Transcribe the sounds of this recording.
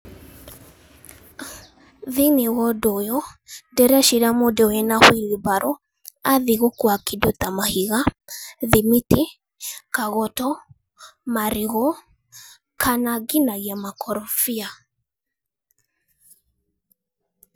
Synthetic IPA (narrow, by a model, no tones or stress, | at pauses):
ðinewɔdɔjɔdɛɾaʃiɾamodɛwɛnahwilibaɾʔɔ | aðiɣokwakidot̪amahiɣaðimiti | kaɣɔtɔ | maɾiɣɔ | kʰanaɡinaɣiamakʰɔɾɔfia